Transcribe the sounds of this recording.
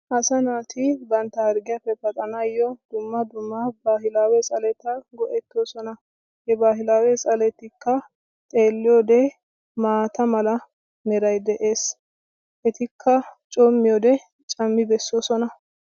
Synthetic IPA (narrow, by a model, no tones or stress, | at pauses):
ʔɐsɐnaːt̪ʰɪbɐnt̪ːɐhɐɾɡɪjɐpːɛpɐt̪ʼɐnɐjːɔd̪̥ʊmːɐd̪ʊmːɐbaːhɪlaːwɛsʼɐlɛt̪ːɐɡɔʔɛt̪ːoːsɔnɐ | hɛbaːhɪlaːwɛsʼɐlɛt̪ːɪkːɐ | t̪ʼe̞ːlːɪjɔd̪ɛ | maːt̪ɐmɐlɐ | nɛɾɐjd̪ɛʔeːs | ʔɛt̪ɪkʰːɐt͡ʃʼɔmːɪjɔd̪ɛ | t͡ʃʼɐmːɪbɛsːosɔnɐ